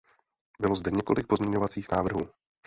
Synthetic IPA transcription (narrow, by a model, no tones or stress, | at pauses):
bɪlo̞zdɛɲɛko̞lʔɪk̚po̞zmɲɛɲovat͡siːxnaːvr̩ɦuː